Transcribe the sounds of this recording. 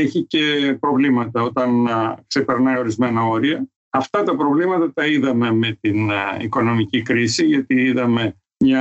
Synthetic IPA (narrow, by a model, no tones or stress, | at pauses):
eçice̞pɾo̞vlimɐt̪ɐo̞t̪ɐnkse̞pe̞ɾnɐjo̞ɾizme̞nɐo̞ɾiɐ | ɐft̪ɐt̪ɐpɾo̞vlimɐt̪ɐt̪ɐiðɐme̞me̞t̪inḭko̞no̞micikɾisiʝɐt̪iiðɐme̞ | mɲɐ